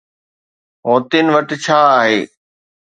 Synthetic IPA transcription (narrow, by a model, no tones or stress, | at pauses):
ɦoːt̪ɪnɪ̆ʋɐʈɪt͡ɕʰaːaːɦeː